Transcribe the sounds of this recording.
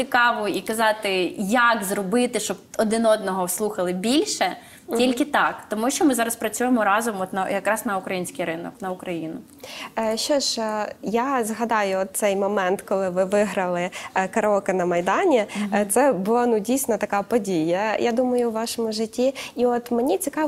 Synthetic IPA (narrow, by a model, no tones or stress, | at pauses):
sʲɪkɑʋɔikɐzɑt̪ɪjakzɾɔbɪt̪ɪʃt͡ʃɔb̚ɔd̪ɪnɔd̪nɔɦɔwslˠuxɐlˠɪbʲilʲʃɛ | tʲilʲkɪt̪ɑkt̪ɔmuʃt͡ʃɔmɪzɑɾɐspɾɐt͡sʲujemɔɾɑzɔmɔt̪nɐjɐkɾɑsnɐʊkɾɐjinʲsʲkijɾɪnɔknɐʊkɾɐjinʊ | ʃɔʃjazɦɐd̪ɑjʊɔt̪̚sɛjmɔmɛnt̪kɔlˠɪʋɪʋɪɦɾɐlˠɪkɐɾɔkɐnɐmɐjd̪ɑnʲit̪sɛbʊlˠanudʲijsʲnɐt̪ɐkɑpɔdʲijɐjad̪umɐjʊwʋɑʃɔmʊʒɪtʲːiiɔt̪menʲit͡sʲikɑ